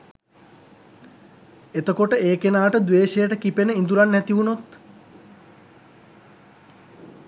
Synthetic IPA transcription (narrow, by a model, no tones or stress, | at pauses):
et̪əkoʈəeːkenaːʈəd̪ʋeːʃejəʈəkipenəind̪uɾanːæt̪iunot̪